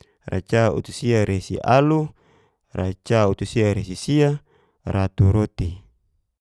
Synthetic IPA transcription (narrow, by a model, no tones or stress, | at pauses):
ra̰t͡ʃaṵt̪usiaɾesḭʔalu | rat͡ʃaut̪usiaɾesisia | rat̪uɾot̪i